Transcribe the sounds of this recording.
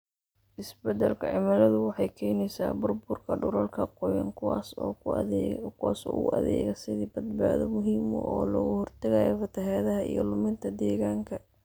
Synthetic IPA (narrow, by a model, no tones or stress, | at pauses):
ʔɪsbɛd̪ɐlkʰɐʕɪmɐlɐðʊwɑħɑjkʰɛːnɛjsa̰ːbʊrbʊrkʰɐɖʊɾɐlkʰɐqɔjɐ̰ŋːs | kʰʊwaːsɔ̰ːɣʊɐðɛ̰ɣɐsɪðiːbɐd̪̚baːðɔmʊɦiːmɔ̰ʔɔːlɔɣʊhɔrt̪ʰɐɣaːjɔ̰fɐt̪ʰɐɦaːðɐɦɐḭjɔlʊmɪnt̪ʰɐd̪ɛːɣaːŋkʰɐ